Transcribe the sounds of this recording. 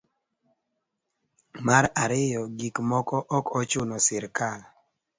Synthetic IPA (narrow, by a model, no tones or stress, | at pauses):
maɾaɾɪjɔɡikmɔkɔʔɔkɔt͡ʃʊnɔsɪɾkal